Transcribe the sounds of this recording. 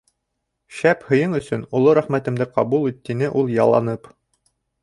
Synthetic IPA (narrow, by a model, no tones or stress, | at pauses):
ʃæphɤ̆jɤɴɵ̆sɵnŭlˠoɾæχmæt̪ɘ̆md̪ɘqɑβulˠit̪ːinɘʔulˠjɑ̰lˠɑ̰nɤp